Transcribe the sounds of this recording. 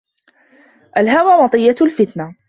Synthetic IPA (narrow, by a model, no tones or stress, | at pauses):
ʔalɦawaːmɑt̪ˤɨjːalfɪt̪na